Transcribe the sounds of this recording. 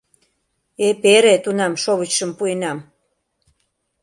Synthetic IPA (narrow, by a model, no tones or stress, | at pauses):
epeɾet̪unɑmʃoβət͡ɕʃəmpuenɑm